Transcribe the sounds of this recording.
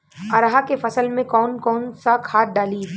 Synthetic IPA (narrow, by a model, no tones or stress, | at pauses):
ɐɾɦakefɐsəlmẽkɔːnkɔːnsakʰaːt̪̚ɖaːli